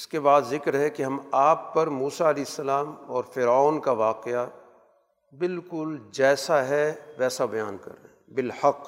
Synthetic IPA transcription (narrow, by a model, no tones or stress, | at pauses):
ɪskebaːd̪zɪkɾɦɛkeɦɐmaːpːɐɾmuːsaɐlɛːɪsːɐlaːmɔːɾfɪɾaːnkaʋaːqea | bɪlkʊld͡ʒɛːsaɦɛʋɛːsabɐjaːnkɐ̰ɾːḛːɦ | bɪlhɐq